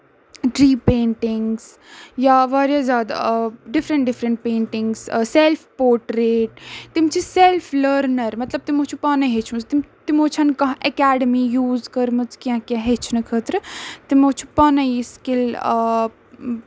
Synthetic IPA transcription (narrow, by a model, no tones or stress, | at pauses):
ɖɾiːpẽːɳʈɪŋɡs | jaʋaːɾjazʲaːd̪a̰ɖɪfʰɾəɳʈɖɪfʰɾəɳʈ̚pẽːɳʈɪŋɡsselpʰpoːɾʈɾeːʈt̪imt͡ʃʰiselpʰləɾnɐɾmɐt̪lɐb̚t̪imot͡ʃʰupaːnɐɦet͡ʃʰmət͡st̪imt̪imoːt͡ʃʰɐnkɐɦʔɐkaːɖəmijuːzkɐɾmɨt͡skãkeɦet͡ʃʰnɨkʰət̪ɾt̪imot͡ʃʰu̥pɐnɐjiskil